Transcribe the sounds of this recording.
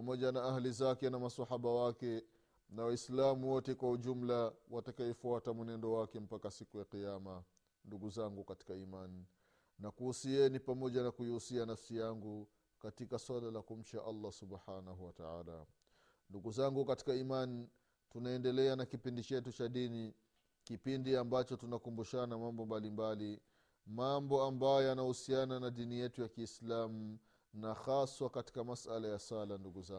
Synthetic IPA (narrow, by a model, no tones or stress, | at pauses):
pamɔʄanaahlizakɛnamasahaɓawakɛ | nawaislamuwɔtɛkwauʄum̩lawatakaɛfuatamunɛndɔwakɛm̩pakasikujaqijama | nduɡuzaŋɡukati̥kaiman | nakuhusiɛnipamɔʄanakuiusianafsijaŋɡu | katikaswalalakum̩t͡ʃaʔalːasubħanaɦuwataa̰ːla̰ | nduɡuzaŋɡukati̥kaiman | tunaɛndɛlɛanakipindit͡ʃɛtut͡ʃaɗini | kipindiambat͡ʃɔtunakumbuʃanamambɔmbalimbali | mambɔambajɔjanahusiananaɗinijɛtujakiːslamu | naxaswakati̥kamasalajasalanduɡuza